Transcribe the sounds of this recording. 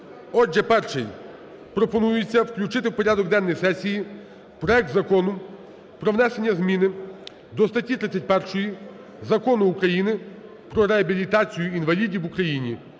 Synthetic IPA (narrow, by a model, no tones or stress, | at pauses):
ɔd͡ʒːɛpɛrʃɪj | pɾɔpɔnujʊt͡sʲːɐwklʲʊt͡ʃɪt̪ɪwpɔɾʲad̪ɔɡd̪ɛnːɔjsɛsʲiji | pɾɔɛk̚t̪zɐkɔnʊ | pɾɔʋnɛse̞nʲːɐzmʲinɪ | d̪ɔst̪ɐtʲːit̪ɾɪt͡sʲɐt̚ʲpɛrʃɔji | zɐkɔnʊːkɾɐjinɪ | pɾɔɾeɐbʲilʲit̪ɑt͡sʲijʊinʋɐlʲidʲiʋukɾɐjinʲi